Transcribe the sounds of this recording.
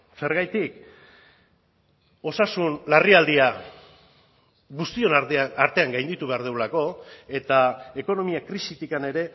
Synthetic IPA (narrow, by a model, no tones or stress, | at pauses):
se̞ɾɣajt̪ik | o̞sasunlariald̪ia | ɣust̪io̞naɾt̪e̞aŋɡajnd̪it̪uβe̞aɾð̞ewlako̞e̞t̪ae̞ko̞no̞miakɾisit̪ikane̞ɾe̞